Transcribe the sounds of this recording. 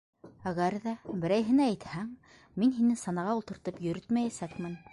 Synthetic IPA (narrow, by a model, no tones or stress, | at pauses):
æɣæɾðæbɘ̆ɾæjɦɘ̆næːjt̪hæŋ | minɦinɘsɑnɑʁɑulˠt̪ɤ̆ɾt̪ɤpjɵ̆ɾɵt̪mæjæsækmɘn